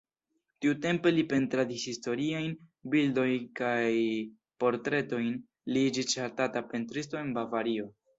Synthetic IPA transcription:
tiute̞mpe̞lipe̞ntɾadishisto̞ɾiajnbildo̞jnkaj | po̞ɾtɾe̞to̞jn | lid͡ʒit͡ʃaɾtatapentɾisto̞e̞nbavaɾio̞

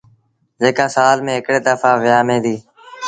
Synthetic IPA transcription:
d͡ʒeːkãːsaːlmẽːɦɪkɽeːd̪əfaːʋɪjaːmẽːd̪iː

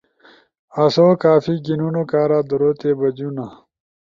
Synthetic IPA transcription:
ɐsoːkaːfiɡinunokaːɾaːd̪uɾoːt̪ebɐd͡ʑuna

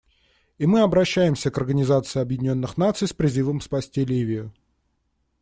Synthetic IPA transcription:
imɨɐbɾɐɕːæjɪmsʲəkɐrɡənʲɪzat̪sɨɪɐbjɪdʲɪnʲo̞nːɨxnat̪sɨjspɾʲɪzɨvəmspɐsʲtʲilʲivʲɪjʊ

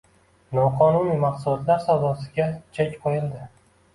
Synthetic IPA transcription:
nɒqʰɒnunimɑqsulɒt̪laɾsawd̪ɒsɪɡʲat͡ʃʰekʲqʰojɪld̪ɪ

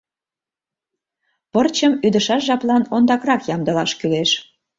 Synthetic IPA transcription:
pərt͡ɕəmyd̪əʃɑʃʒɑplɑnond̪ɑkrɑkjɑmd̪ɤ̆lɑʃkyleʃ

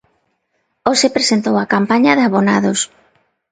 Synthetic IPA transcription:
osepɾesent̪owakampaɲɐðaβonaðos

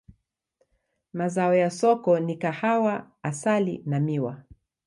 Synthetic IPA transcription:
mazaɔjasɔkɔnikahawa | asalḭnamiwa̰

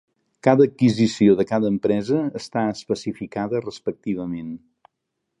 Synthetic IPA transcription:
kaðəːkːizisioðəkaðəːmpɾɛzəːst̪aəspəsifikaðərəspək̚t̪iβ̞əmen

